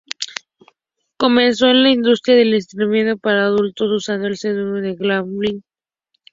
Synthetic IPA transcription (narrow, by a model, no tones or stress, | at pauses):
ko̞mẽnso̞enlaind̪ust̪ɾjaðe̞list̪ɾimenopaɾaːðult̪osusand̪oelseðunoðeɣlamli